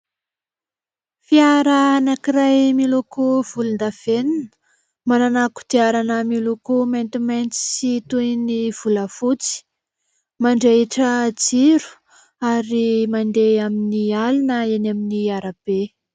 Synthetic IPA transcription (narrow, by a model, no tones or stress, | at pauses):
fiaɾaanakirajmilukuv̥ulund̪av̥eninə̥ | mananaku̥t̪iaɾanəmilukument̪imajnt͡si̥sit̪ujniv̥uləfut͡si̥ | maɳɖ͡ʐeiʈ͡ʂəd͡ziɾu̥ | aɾimand̪eaminialinəenaminiaɾab̥e